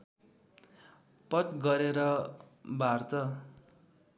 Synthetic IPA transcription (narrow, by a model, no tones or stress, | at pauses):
pʌt̪ɡʌɾeɾʌbʱart̪ʌ